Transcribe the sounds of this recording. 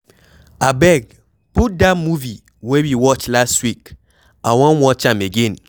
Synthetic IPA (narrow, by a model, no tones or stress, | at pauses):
abɛɡ̚ | pudamuvi | wewiwɔt͡ʃlastwik | awɔ̃nwɔt͡ʃãmeɡẽn